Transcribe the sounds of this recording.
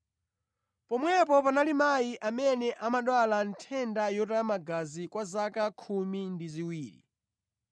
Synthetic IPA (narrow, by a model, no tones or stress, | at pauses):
pɔmwɛpɔpanalimajiʔamɛnɛʔamaɗwalantʰɛndajɔtamaɡazikwazakakʰumindiziwiːɾḭ